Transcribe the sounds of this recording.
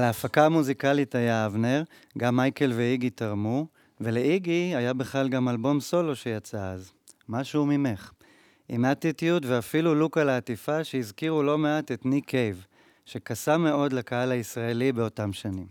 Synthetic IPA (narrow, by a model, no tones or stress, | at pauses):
leːfakaːmuzikalitajaavneʁ | ɡamːajke̞lveiɡitaʁmu | ve̞le̞ʔiɡiajabeχlalɡamalbo̞mso̞lo̞ʃe̞jat͡saaz | maʃumime̞χ | ʔimatitijutveafilulukalaːtifaʃeizkiʁulo̞meate̞tnikʰe̞jv | ʃe̞kasame̞o̞dlakaalaisʁaelibe̞o̞tamʃanim